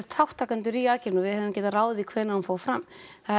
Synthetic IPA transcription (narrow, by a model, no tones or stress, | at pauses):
t̪ʰawht̪ʰaːkant̪ʏɾiacɪɾnɔvɪðhœːvʏmcɛːt̪araːwðɪikʰvɛːɾnahamfaːwfɾamθa